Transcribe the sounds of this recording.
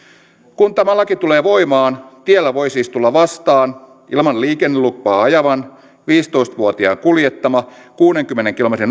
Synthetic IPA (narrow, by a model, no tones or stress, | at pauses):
kunt̪æmælːɑkit̪ule̞ːʋo̞jmɑːnt̪ielːæʋo̞jsiːst̪ulːɑʋɑst̪ɑːn | ʔilmɑlliːkenːelupːɑːɑjɑʋɑn | ʋiːst̪o̞ist̪ʋuot̪iɑ̰ːŋkuljet̪ːɑmɑkuːneŋkymːeneŋk̟ilo̞met̪rin